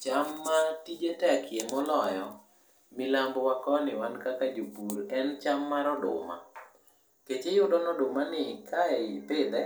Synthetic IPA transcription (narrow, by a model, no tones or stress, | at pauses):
t͡ʃamːatid͡ʒetakʰjemɔlɔjɔ | mɪlambwakɔnɪwankakad͡ʒobuɾɛnt͡ʃamːaɾɔdʊ̰ma̰ | ket͡ʃejʊdɔnɔdʊmanɪkʰaɛɪpɪd̪ɛ